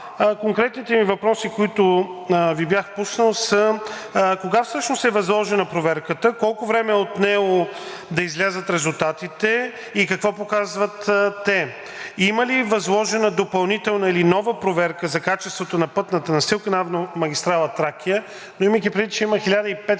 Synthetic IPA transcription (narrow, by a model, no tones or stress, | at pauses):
koŋkɾɛt̪nit̪ɛmivɐpɾɔsikoit̪ʊvibjaxpusnəlˠsə | koɡafsɤʃnosɛvɐzlˠɔʒɛnɐpɾovɛɾkət̪əkɔlˠkʊvɾɛmɛot̪nɛɡo | d̪ɐizlʲazət̪ɾɛzulˠt̪at̪it̪ɛ | ikɐkvɔpokazvət̪t̪ːɛ | iməlivɐzlˠɔʒɛnəd̪opɐlˠnit̪ɛlˠnəilinɔvəpɾovɛɾkəzɐkat͡ʃɛst̪vot̪onɐpɤt̪nət̪ənɐsilˠkənavnomɐɡʲist̪ɾalˠət̪ɾakʲijə | noiməkʲipɾɛvit̪t͡ʃɛiməxilʲad̪əipɛt̪